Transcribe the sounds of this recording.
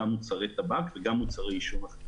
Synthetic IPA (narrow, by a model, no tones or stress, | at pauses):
amut͡saʁet̪abakveɡamːut͡saʁeiʃonaχ